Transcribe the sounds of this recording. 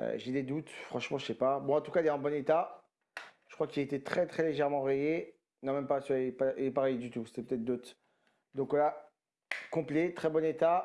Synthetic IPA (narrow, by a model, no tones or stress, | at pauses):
ʒed̪ed̪ut̪fχɑ̃ʃmɑ̃ʒəsɛpabɔ̃ɑ̃t̪ukailɛɑ̃bɔnet̪a | ʒə̥kχwakilaet̪et̪χɛt̪χɛleʒɛʁmɑ̃ʁeje | nɔ̃mɛmpaspailɛpaʁɛjd̪yt̪uset̪ɛpø̥t̪ɛt̪̚d̪ot̪ | d̪ɔ̃kvwala | kɔ̃plɛt̪χɛbɔnet̪a